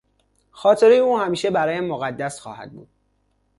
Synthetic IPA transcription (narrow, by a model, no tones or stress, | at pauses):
xɒːt̪ʰe̞ɾejeuːhæmiːʃebæɾɒːjæmːoɣæd̪ːæsxɒ̰ːhæ̰d̪̚bṵːd̪̥